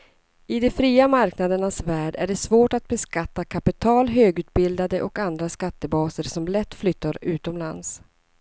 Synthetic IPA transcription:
ɪd̪ɛfɾiːamaɾknad̪əɳasvæːɖæ̰ɖɛsvoːʈat̪̚bɛskat̪ːakʰapɪt̪ʰɑːlɦøːɡʉ̟ːt̪̚bɪld̪ad̪əʔɔkand̪ɾaskat̪ːəbɑːsəɾsɔmlɛt̪ːflʏt̪ːaɾʉ̟ːt̪ɔmlans

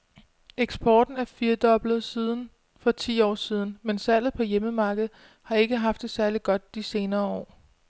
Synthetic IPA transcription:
ʔeɡ̥sb̥ɒːd̥n̩æɐfiːɐd̥ɒ̽b̥lð̩ˠsiːð̞ˠn̩ | fɒ̽t͡sʰḭːɒ̰ːsiːð̞ˠn̩mensæl̰ð̩ˠpʰɒ̽jeməmɑ̈ːɡ̥əð̞̩ˠ | hɑ̈e̝ɡ̥əɦɑ̈fd̥e̝sæɐliɡ̥ɒ̽d̥̚d̥ise̝ːnɐːɒ̰ː

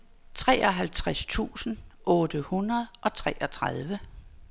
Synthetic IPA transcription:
t͡sʰʁɛ̰ːɒ̽ɦælt͡sʰʁast͡sʰṵːsn̩ʔɔ̽ːd̥əhunɐð̞̩ˠʔɒ̽t͡sʰʁɛʔɒ̽t͡sʰʁað̞ˠʋə

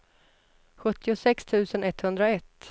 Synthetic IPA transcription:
ɧɵt̪ːɪʊsɛkst̪ʰʉ̟ːsənɛt̪ːhɵnd̪ɾaɛt̪ː

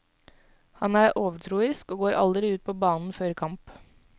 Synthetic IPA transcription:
hɑnæːɾʔoːʋəʈʰɾuːəɾskoːɡoːɾʔɑ̰ld̪əɾɪʉːt̪̚pʰɔːbɑːnn̩føːɾkʰɑmp

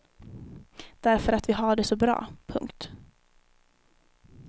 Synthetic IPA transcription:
d̪̥æɾfœɾat̪vɪɦaɖɛsɔbɾɑ̰ːpʰɵ̰ŋkt̪

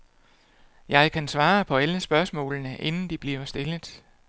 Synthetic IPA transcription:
jɑ̈ɪkʰænsʋɑ̈ːpʰɒ̽æləsb̥ɶɐsmɔ̰̽ːlnəʔe̝nn̩d̥ib̥liɐɐsd̥e̝ləð̩ˠ

